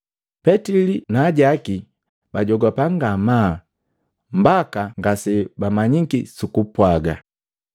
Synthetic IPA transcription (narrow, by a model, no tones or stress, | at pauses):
pɛtilinaːɟaki | baɟɔɡapaŋɡama | mbakaŋɡasɛbamaɲikisukupwaɡa